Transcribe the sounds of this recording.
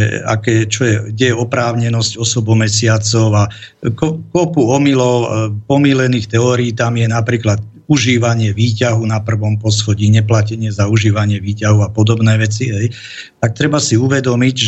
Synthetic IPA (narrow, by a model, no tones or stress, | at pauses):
ɛa̰kɛːt͡ʃɔjɛɟɛjɛɔpɾaːʊɲɛnɔscɔsɔbɔmɛsɪat͡sɔʊa | kɔkɔpuɔmilɔʊpɔmilɛniːxt̪ɛɔɾiːt̪amjɛnapɾiːklat̪ | uʒiːʋaɲɪɛʋiːcaɦunapr̩ʋɔmpɔsxɔɟiːɲɛplacɛɲɪɛzauʒiːʋaɲɪɛʋiːcaɦuapɔd̪ɔbnɛːʋɛt͡siɦɛj | t̪ak̚t̪ɾɛbasiuʋɛd̪ɔmiɟʒ